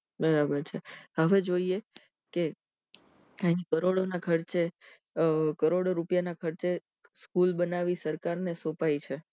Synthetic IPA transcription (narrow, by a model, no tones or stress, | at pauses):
bəɾabəɾt͡ʃʰeɦəʋed͡ʒoie | ke | aɦĩkəɾoɽonakʰəɾt͡ʃe | kəɾoɽɾupjanakʰəɾt͡ʃe | skulbənaʋisəɾkaɾnesopait͡ʃʰe